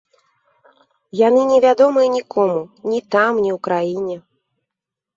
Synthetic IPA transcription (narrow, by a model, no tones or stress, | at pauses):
janɨnʲɛvʲad̪ɔmɨjɛnʲikʰɔmunʲit̪amnʲiwkɾajinʲɛ